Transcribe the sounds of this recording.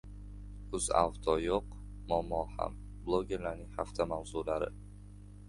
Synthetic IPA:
ʊza̰vt̪ʰɒjoq | mɒmɒha̰m | blˠoɡʲe̞ɾlaɾnɪŋhaft̪ʰamawzulaɾɪ̰

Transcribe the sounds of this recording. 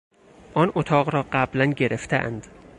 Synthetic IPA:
ʔɒːnʔot̪ʰɒːɣɾɒːɢæblænɟe̞ɾeft̪ʰḛʔæ̰nd̪̥

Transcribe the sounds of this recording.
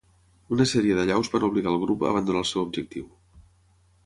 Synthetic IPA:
unəsɛɾiəðəʎawzβanuβliɣaːlˠɣ̞ɾupə̰ːβ̞ənd̪unaəlˠsɛwubʒək̚t̪iw

